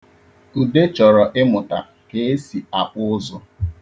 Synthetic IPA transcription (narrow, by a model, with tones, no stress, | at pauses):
u˨de˦t͡ʃɔ˨ɾɔ˨ʔɪ˦mʊ˨ta˨ | ke˨e˦si˨a˨k͡pʊ˦ʊ˦zʊ˦